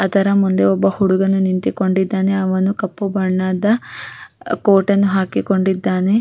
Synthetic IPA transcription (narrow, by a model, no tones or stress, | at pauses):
ɐt̪ɐɾɐmund̪e̞ɔbːɐhuɽuɡɐnːunint̪iko̞ɳɖid̪ːaːne̞ɐʋɐnukɐpːubɐɳːaːd̪ɐ | koːʈɐnːuɦaːkiko̞ɳɖid̪ːaːne̞